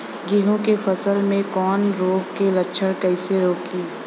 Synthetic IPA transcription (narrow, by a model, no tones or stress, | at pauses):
ɡiɦõkefʰɐsəlmẽkɔːnɾoːɡkelɐtːʃʰəɽkɐɪseɾoːkiː